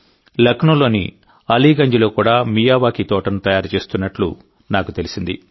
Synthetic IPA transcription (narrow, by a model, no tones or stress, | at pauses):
lɐkʰɳulo̞ːnḭ | ɐliːɡɐɲd͡ʒilo̞ːkuːɽaːmijaːʋaːkit̪ɔːʈɐnut̪ɐjaːɾt͡ʃe̞ːst̪unːɐʈlṵ | naːkut̪e̞lisind̪ḭ